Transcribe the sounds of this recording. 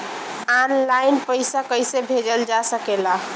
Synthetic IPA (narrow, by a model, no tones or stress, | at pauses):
anlajnpəjsakəjsebʱed͡ʒəld͡ʒasəkela